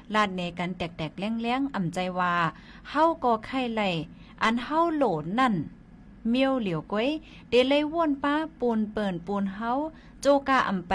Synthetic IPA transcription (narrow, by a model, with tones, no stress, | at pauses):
la˧˩t̪̚ne˨˦ka˨nt̪ɛː˨˩k̚t̪ɛː˨˩k̚lɛ˧˥˨ŋlɛ˧˥ə˨ŋʔa˨˩mt͡ɕa˧jwaː˧ | ha˧˥˨wkɔː˧kʰa˧˩jla˧˩˨j | ʔa˧˨nha˧˥˨wloː˨˩t̪̚na˧˨n | mi˧ə˧wli˨˦˨wku˧˦j | de˧˦la˧˨jwu˧˥˨ə˨npaː˧˥puː˧npɤː˨˩npuː˧nɦa˧˥w | t͡ɕoː˧kaː˧˩ʔa̰˨˩mp